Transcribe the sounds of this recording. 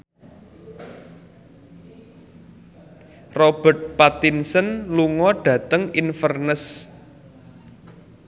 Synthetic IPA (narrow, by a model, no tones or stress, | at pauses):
rob̥ə̤rt̪̚pat̪insənluŋɔɖ̥ä̤t̪əŋinfərnəs